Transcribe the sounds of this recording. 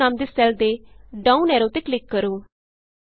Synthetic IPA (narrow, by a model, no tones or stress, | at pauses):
aːmd̪eːsɛːld̪eːɖaːuːnɛːɾoːt̪ɪklɪkːəɾoː